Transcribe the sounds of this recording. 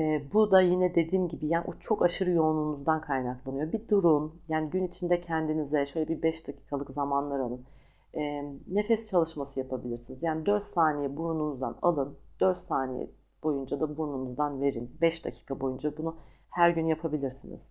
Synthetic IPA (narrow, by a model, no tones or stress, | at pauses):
ɛːbud̪ajinɛd̪e̞d̪iːmɟibijaːnʔut͡ʃʰo̞kaʃɯɾɯjo̞ːnunuzd̪ankʰajnaklˠanɯjo̞bid̪uɾunjaːniɟynit͡ʃʰind̪ɛcʰɛnd̪inizɛʃøjlʲɛbibɛʃd̪acʰi̥ːkʰalˠɯkzamanlˠaɾalˠɯn | ɛːnːe̞fɛst͡ʃʰalˠɯʃmasɯjapʰabilʲiɾsinizjaːnid̪øɾt̪saːnijɛbuɾununuzd̪a̰na̰lˠɯnd̪̥øɾt̪saːnijɛ̰ | b̥o̞jund͡ʒad̪abuɾnumuzd̪anve̞ɾinbɛʃd̪a̰cʰi̥ːkʰabo̞jund͡ʒabunu | hæɾɟynjapʰabilʲiɾsinḭz̥